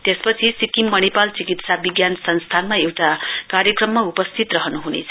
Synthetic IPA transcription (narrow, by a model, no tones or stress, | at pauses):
t̪espʌt͡sʰisikimːʌnipalt͡sikit̪sabiɡjansʰʌnst̪ʰanmaewʈakaɾjʌkrʌmːaupʌst̪ʰit̪rʌɦʌnuɦunḛt͡sʰʌ̥